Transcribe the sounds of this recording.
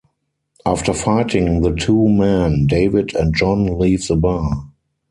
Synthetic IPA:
ʔaftə˞faɪtʰɪ̃ŋðətʰuːmɛ̃ndeɪvɪdɛ̃ntd͡ʒɔ̃nliːvðəba

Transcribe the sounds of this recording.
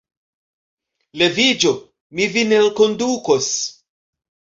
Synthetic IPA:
le̞vid͡ʒo | mivinenkondukos

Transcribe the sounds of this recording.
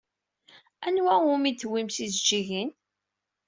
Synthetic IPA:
ænwæumit̪ːwimsizd͡ʒiʝin

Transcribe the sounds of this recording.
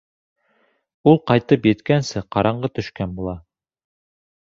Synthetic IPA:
ulˠqɑjt̪ɤpjɘ̆t̪kænsɘqɑɾɑɴɢɤt̪ɵ̆ʃkænbulˠɑ

